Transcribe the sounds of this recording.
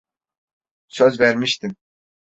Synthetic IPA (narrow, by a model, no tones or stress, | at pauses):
søzvæɾmiʃt̪ʰim